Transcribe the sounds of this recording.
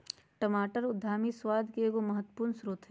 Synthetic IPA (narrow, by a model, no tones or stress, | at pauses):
ʈəmaːʈəɾʊd̪ʱːaːmiswaːd̪ʱkeɡomɐɦət̪ːə̥puːɾnsɾʊt̪ʰɦ